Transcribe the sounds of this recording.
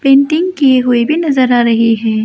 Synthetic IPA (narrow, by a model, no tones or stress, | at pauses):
pẽːɳʈɪ̃ŋɡkieɦʊebʱinɐzəɾaːɾɐɦiɦɛː